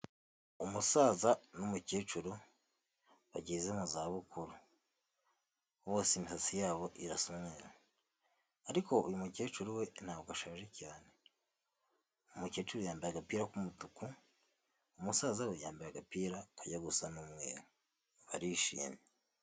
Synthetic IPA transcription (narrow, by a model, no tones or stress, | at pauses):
umusaːzanumuceːt͡ʃuɾu | βaɟiːzemuzaβukuɾu | βoːsimisasijaːβo̞ʔiɾasomeɾa | aɾiko̞ujumuceːt͡ʃuɾuwe̞n̥hawuɡaʃaːʒecaːne | umuceːt͡ʃuɾujaːmbiɾaɡapiːɾakumutuku | umusaːzawe̞jaːmbiɾaɡapiːɾakaɟaɡusanumŋḛːɾo | βaɾiʃḭːɲe